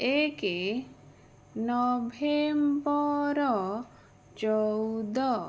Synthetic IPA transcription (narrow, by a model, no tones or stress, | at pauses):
eke | nɔbʱembɔɾɔ | t͡ʃɔwd̪ɔ